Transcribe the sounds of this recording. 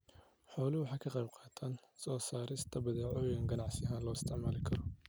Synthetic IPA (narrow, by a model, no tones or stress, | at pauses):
ħɔːlɪwɑħɑːkʰɐqɛjbqɑːt̪ʰaːnsɔːsaːɾɪst̪ʰɐbɐðɛːʕɔːjɐŋɡɐnɑʕsɪɦaːnlɔːɪst̪ʰɪʕmaːlɪkʰɐɾɔ